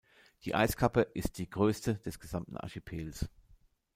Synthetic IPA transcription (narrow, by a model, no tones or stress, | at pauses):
d̥ḭːʔa̰ɪskʰapəʔɪst̚d̥iːɡʁøːstəd̥ɛsɡ̥əzamtn̩ʔa̰ɐʃipʰeːls